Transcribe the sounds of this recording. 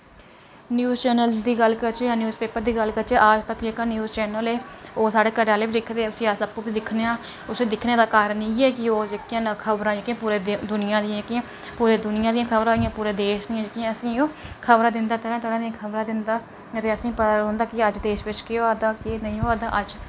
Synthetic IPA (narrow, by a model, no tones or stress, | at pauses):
njuːzt͡ʃɛːnəld̪iːɡəlkəɾt͡ʃeanjuːzpeːpəɾd̪iːɡəlkəɾt͡ʃeːʔaːd͡ʒt̪əkd͡ʒeːkaːnjuːzt͡ʃɛːnəleːoːsaːɽeːkəɾaːleːbiːd̪ɪkʰd̪eːəsĩːasəpːũːbiːd̪ɪkʰneːãː | ʊseːd̪ɪkʰneːd̪aːkaːɾəniːɛːkɪoːd͡ʒekɪjãːkʰəbɾãːd͡ʒeːkɪãːpuːɾeːd̪ʊnɪjãːd̪ɪãːkiãː | puːɾeːd̪ʊnɪjãːd̪ɪjãːkʰəbɾãːd̪ɪjãːpuːɾeːd̪eːʃniːãd͡ʒekiãːəsĩːoːkʰəbɾaːd̪ɪnd̪aːt̪əɾãːt̪əɾãːd̪iãːkʰəbɾãːd̪ɪnd̪aː | ət̪eːəsĩːpət̪aːõːnd̪aːkɪəd͡ʒd̪eːʃʋɪt͡ʃkɪaːd̪aːkɪnəĩːoaːd̪aːʔəd͡ʒ